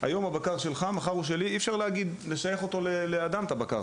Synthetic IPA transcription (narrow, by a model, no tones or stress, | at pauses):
a̰jo̞mabakaʁʃe̞lχamaχaʁuʃ̬e̞liifʃaʁleaɡid̪le̞ʃaje̞χot̪o̞lelead̪amt̪abaka̰ʁ